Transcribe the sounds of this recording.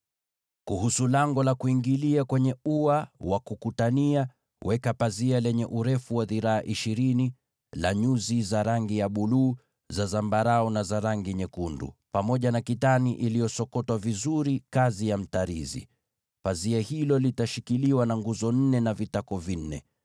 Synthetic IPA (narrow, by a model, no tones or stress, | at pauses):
kuhusulaŋɡɔlakuiŋɡiliakwɛɲɛuawakukutania | wʔɛkapazialɛɲɛʔuɾɛfuwaðiɾaaʔiʃiɾini | laɲuzizaɾaŋɡijaɓuluː | zazambaɾaɔnazaɾaŋɡiɲɛkundṵpamɔʄanakitaniʔilijɔsɔkɔtwavizuɾikazijam̩taɾḭzḭ | paziahilɔlitaʃikiliwanaŋɡuzɔn̩nɛnavitakɔvin̩ːɛ̰